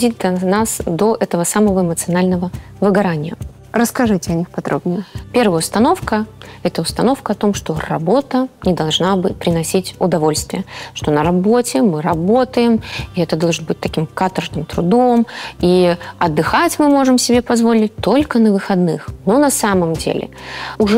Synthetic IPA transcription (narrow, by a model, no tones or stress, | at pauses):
dʲid̪ɐnasd̪o̞ʔɛt̪əvəsaməvəɪmət̪sɨɐnalʲnəvə | vɨɡɐɾanʲɪjə̰ | ɾəskɐʐɨtʲɪɐnʲixpɐd̪ɾobnʲɪjəpʲe̞rvəjəʊst̪ɐno̞fkəɛt̪əʊst̪ɐno̞fkəɐt̪o̞mʂt̪o̞rɐ̰bo̞t̪ənʲɪd̪ɐlˠʐnabɨpɾʲɪnɐsʲitʲʊd̪ɐvo̞lʲst̪vʲɪjəʂt̪o̞nəɾɐbo̞tʲɪmɨɾɐbo̞t̪əjɪmiɛt̪əd̪oʐɨnbɨt̚ʲt̪ɐkʲimkat̪ərʐnɨmt̪ɾʊd̪o̞miɐd̪ːɨxatʲmɨmo̞ʐɨmsʲɪbʲepɐzvo̞lʲɪt̚ʲt̪olʲkənəvɨxɐd̪nɨxnonɐsaməmdʲḛlʲɪ̰ʊʐɛ